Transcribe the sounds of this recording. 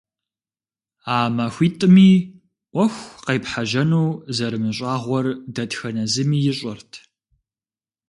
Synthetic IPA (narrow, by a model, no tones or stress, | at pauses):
aːmɐxʷiːtʼɨmiː | ʔʷɔxʷqejpħaʒɐnuːzɐɾɨmɨɕʼaːʁʷɔrdɐtxɐnɐzɨmiːjɪɕʼɐrtʰ